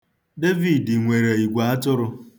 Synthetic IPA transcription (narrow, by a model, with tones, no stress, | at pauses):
de˦vi˨di˨ŋʷe˨ɾe˨i˨ɡʷa˨a˦tʊ˦ɾʊ˧